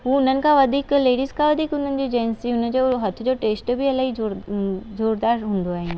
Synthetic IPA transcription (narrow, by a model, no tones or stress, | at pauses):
ʋoʊnənkaʋɐd̪ʱikleːɖiskaʋɐd̪ʱikʊnənd͡ʒod͡ʒɛːnsiʊnẽd͡ʒoɦɐt̪ʰd͡ʒoʈeːsʈbʱiɐlaɡid͡ʒod͡ʒoːɾd̪aːɾɦʊ̃nd̪oaːeɦɛ̃ː